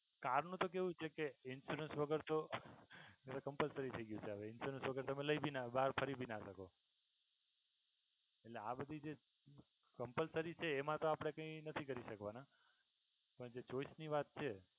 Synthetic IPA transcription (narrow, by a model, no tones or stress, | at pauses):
kaɾnũt̪okeɦũt͡ʃʰekeɪnsuɾənsʋəɡəɾt̪o | eɾokəmpəlsəɾit̪ʰəiɡjũt͡ʃʰeaʋeɪnsuɾənsʋəɡəɾt̪əmẽləibʱinabaɾpʰəɾibʱinaʃəko | eʈleabəd̪ʱid͡ʒe | kəmpəlsəɾit͡ʃʰeːmãt̪oapɽ̃ekə̃ĩnət̪ʰikəɾiʃəkʋana | pəɳd͡ʒet͡ʃoisniʋat̪̚t͡ʃʰe